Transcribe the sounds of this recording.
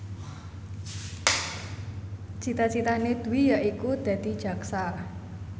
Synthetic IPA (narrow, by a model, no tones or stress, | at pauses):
t͡ʃit̪at͡ʃit̪aned̪̥ṳwijaʔikud̪̥a̤d̪̥i̤d̥ʒ̥ä̤ksa